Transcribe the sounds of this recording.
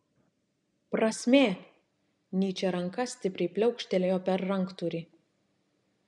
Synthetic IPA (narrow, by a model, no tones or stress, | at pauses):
pɾɐsʲmʲeː | nʲiːt͡ʃʲɛɾɐŋkɐsʲt̪ʲɪpʲɾʲɛɪpʲlʲɛʊkʃʲt̪ʲɛlʲejoːpʲɛɾːɐŋˑkt̪uɾʲi